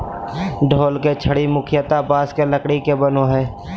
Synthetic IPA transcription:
ɖʱoːlket͡ʃʰəɽimʊkʰɪjət̪abaːskeləkɽikebənoɦɛː

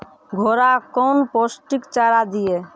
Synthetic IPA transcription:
ɡʱoɾakɔːnposʈikt͡ʃaːɾad̪ije

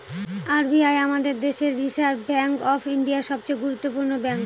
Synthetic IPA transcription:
aɾbiajamad̪eɾd̪eʃeɾːiʃaɾbɛŋkɔfiɳɖiaɾʃɔb̚t͡ɕejɡuɾut̪ːopuɾnobɛŋk

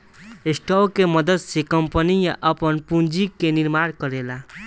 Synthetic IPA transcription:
esʈokemʌd̪əd̪sekʌmpənijaʔəpənpund͡ʒikːeniɾmaɽkʌɾela

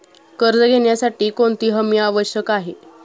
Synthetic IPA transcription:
kəɾd͡zəɡʱeɳjasaʈiːkoɳt̪iːɦəmjəaʋəɕjəkaɦe

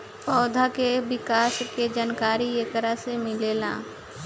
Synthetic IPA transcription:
pɔːd̪ʱakebɪkaːsked͡ʒaːnkaːɾiekəɾasemɪleːlã̰ː

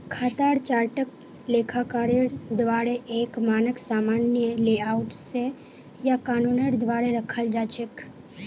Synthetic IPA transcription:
kʰaːt̪aːɾt͡ʃaːɾʈək | leːkʰakaːɾəɾd̪ʋaːɾeʔeːkmaːnəksaːmaːnjəleːaːwʊʈe | jakaːnuːnəɾd̪ʋaːɾeɾəkʰəld͡ʒaːt͡ʃək

